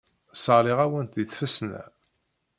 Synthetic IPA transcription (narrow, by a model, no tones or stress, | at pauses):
səʁlɪʁæwənt̪ðiθfæsnæ̰